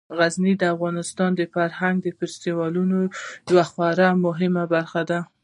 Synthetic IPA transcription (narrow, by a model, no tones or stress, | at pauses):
ɣaznid̪əafɣɑnɪst̪ɑnd̪əfaɾhaŋɡ̚d̪əfɪɾst̪iwɑlunod̪waxɑɾamʊɦɪmabaɾxad̪a